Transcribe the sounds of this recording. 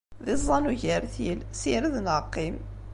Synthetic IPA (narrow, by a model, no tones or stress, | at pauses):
ðizˤːɑnuʝəɾθilsiɾðnəqːim